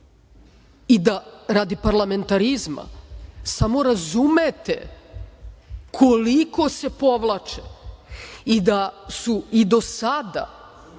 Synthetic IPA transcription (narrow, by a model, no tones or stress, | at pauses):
id̪aɾad̪ipaɾlˠame̞nt̪aɾizma̰samo̞ɾazumet̪ḛ | kʰo̞liko̞se̞po̞ʋlˠat͡ʃe | id̪asuid̪o̞sad̪a̰